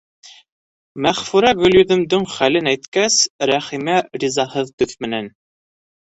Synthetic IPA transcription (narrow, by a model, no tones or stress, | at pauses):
mæχfʉɾæɡɵ̆ljɵ̆ðɵ̆md̪ɵŋχælɘnæjt̪kæsɾæχimæɾizɑhɤðt̪ɵθmɘ̆næn